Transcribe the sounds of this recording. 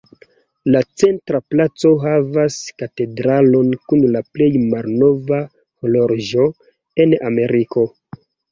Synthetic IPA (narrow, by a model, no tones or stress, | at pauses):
lat͡se̞ntɾaplat͡so̞ɦavaskate̞dɾalo̞nkunlaple̞jmaɾno̞va | koloɾʒo̞ | e̞name̞ɾiko̞